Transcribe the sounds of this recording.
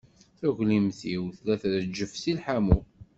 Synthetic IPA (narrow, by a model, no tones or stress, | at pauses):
θæʝlimθiwθlæθɾəd͡ʒːəfsilħamu